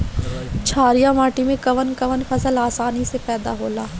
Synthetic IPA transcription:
t͡ʃʰaːɾijaːmaːʈimẽkəʋənkəʋənpʰəsəlaːsaːnisepɛːd̪a̰ːɦoːlaː

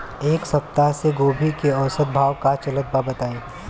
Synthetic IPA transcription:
eːksɐp̚t̪aseɡoːbʱikeɔːsət̪̚bʱaːwkat͡ʃɐlət̪̚babət̪aːeː

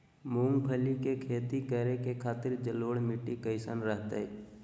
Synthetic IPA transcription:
mũːŋɡpʰəlikekʰeːt̪ikəɾekekʰaːt̪ɪɾd͡ʒəloːɽmɪʈikəɪsanɾəɦt̪ḛe

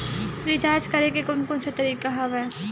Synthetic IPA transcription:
pɾid͡ʒaːd͡ʒkɐɾeɡekʊnkʊ̃nset̪ɐɾiːkaɦɐʋɛː

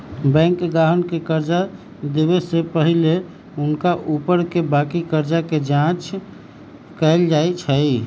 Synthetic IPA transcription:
bɛ̃ŋkɡaɦənkekəɾd͡ʒa | d̪ebesepəɦile | unkaʔupəɾkebakikəɾd͡ʒaked͡ʒãt͡ʃ | kəɪld͡ʒajt͡ʃʰəi

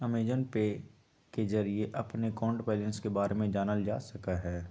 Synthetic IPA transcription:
ɐmeːd͡ʒənpe | kezɐɾieʔɐpnekɔ̃ːɳɖpɛːlə̃nskebaːɾemẽd͡ʒaːnəld͡ʒaːsɐkaɦɛː

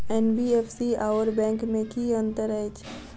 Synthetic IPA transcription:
ɛːnbiːeːfsiaːʋəɾbɛ̃ːŋkmẽkiːə̃nt̪əɾəet͡ʃʰ

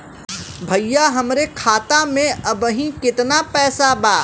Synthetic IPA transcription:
bʱɐjjːaɦɐmɾekʰaːt̪amẽʔɐbəɦĩkɪt̪napɛːsabaː

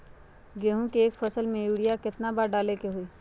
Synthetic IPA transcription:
ɡeːɦũkeːkfʰɐsəlmẽjuːɽijakɪt̪nabaɾɖaːlekeɦuiː

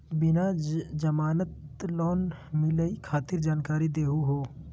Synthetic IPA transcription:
bɪnad͡ʒd͡ʒəmaːnət̪lɔːn | mɪləikʰaːt̪ɪɾd͡ʒaːnkaːɾid̪eːɦuɦoː

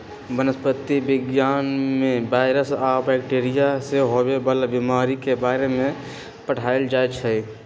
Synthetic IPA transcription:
bənəspət̪ːibɪɡjaːnmẽbaːɪɾəsabɛːk̚ʈeːɾijaseɦobebəlbimaːɾikebaːɾemẽ | pəʈʰaɪld͡ʒajt͡ʃʰə

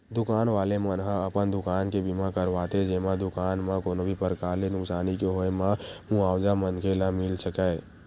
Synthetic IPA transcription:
d̪ʊkaːnʋaːlemənɦãəpənd̪ʊkaːnkebimãkəɾʋaːt̪ed͡ʒeːmãd̪ʊkaːnmãkoːnobʱipəɾkaːlenʊksaːnikeɦoemãũaːwd͡ʒamənkʰelamɪlsəkɛe

